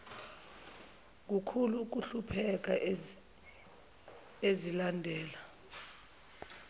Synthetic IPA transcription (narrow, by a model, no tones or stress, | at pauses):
k̬ukʰuluːk̬uɬupʰɛk̬ʼa | ezilandʱɛːla